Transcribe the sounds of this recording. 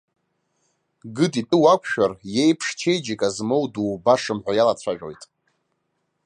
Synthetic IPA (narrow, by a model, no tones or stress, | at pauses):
ɡɨdʼitʼɨwakʷʰʼʃᶣarje̞jpʰʂt͡ʃʰejd͡ʒikʼazmowduːbaʂɨmħʷᶣajalat͡ɕʷʰaʒᶣo̞̰jtʼ